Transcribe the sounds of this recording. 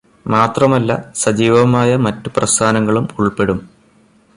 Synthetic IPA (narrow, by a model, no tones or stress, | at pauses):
maːt̪rɐmɐlːɐ̰sɐd͡ʑiːʋɐmaːjɐmɐtːuprɐst̪ʰaːnɐŋːɐɭumuɭpe̞ɽum